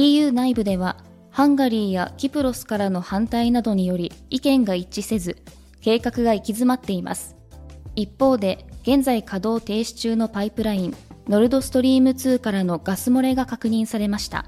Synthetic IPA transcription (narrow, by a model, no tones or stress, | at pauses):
t̪ʲiːjɯ̟ːnaibɯ̟d̪e̞β̞a | hãŋɡaɾʲiːjakʲipɯ̟ɾo̞sɨ̥kaɾano̞hãnt̪ainad̪o̞ɲ̟ijo̞ɾʲiikẽ̞ŋɡait͡ɕise̞zɨ | ke̞ːkakɯɡaikʲizɨmat̪ːe̞ima̰sɨ̥ | ipːo̞ːd̪e̞ɡ̥ẽ̞nd͡zaikʰad̪o̞ːt̪e̞ːɕi̥t͡ɕɨːno̞paipɯ̟ɾaĩnno̞ɾɯ̟d̪o̞sɨ̥t̪o̞ɾʲiːmɯ̟t͡sɨːkaɾano̞ɡ̥asɨmo̞ɾe̞ɡakakɯ̟ɲ̟ĩɰ̃saɾe̞maɕi̥t̪a̰